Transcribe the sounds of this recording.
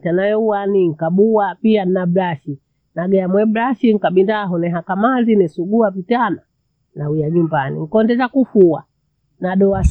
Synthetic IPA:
tanajɔuwaniŋ̩kaɓuwapian̩nabɾaʃi | naɡɛjamwɛbɾaʃiŋ̩kaɓindaɦɔnɛɦakamazinɛsuɡuapitana | nawiaɲumbanḭŋ̩kɔndɛzakufua | naɗɔas

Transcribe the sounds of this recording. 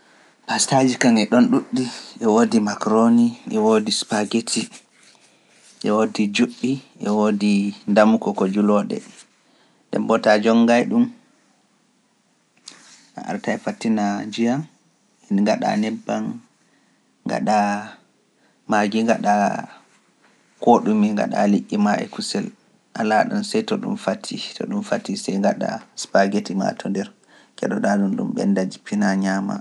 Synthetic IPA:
pastad͡ʒikaŋɛɗɔnɗuɗːiʔɛwodimakɾoniʔɛwodispaɡetʰi | ʔɛwodid͡ʒuɓːiʔɛwodindamukɔkɔd͡ʒulɔɗɛ̰ | ɗɛ̰mbɔtad͡ʒɔŋɡajɗum | ʔa̰ʔa̰ɾtajfatːinad͡ʒijaŋ | inŋɡaɗa̰nɛbːan | ŋːɡa̰ɗa | maɡiŋɡaɗa | koɗumiŋɡa̰ɗa̰liʔʲːimaɛ̰kusɛl | ʔalaɗɔnsɛjtɔɗṵmfatʰːitɔ̰ɗumfatːisɛjŋɡaɗa̰spaɡetima̰tʰɔndɛɾ | kɛɗɔɗaɗunɗṵmɓɛ̰ndad͡ʒipinaɲama̰

